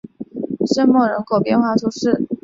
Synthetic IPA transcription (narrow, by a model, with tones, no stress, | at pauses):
ʂə˥nmɔ˥˩ɻə˧˥ŋkʰo˨˩ʊpjɛ˥˧nxwa˥˧ʈ͡ʂʰu˥ʂɻ̩˥˩